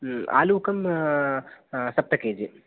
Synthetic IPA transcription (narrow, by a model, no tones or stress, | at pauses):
a̰ːluːkɐm | sɐp̚t̪ɐkeːd͡ʒi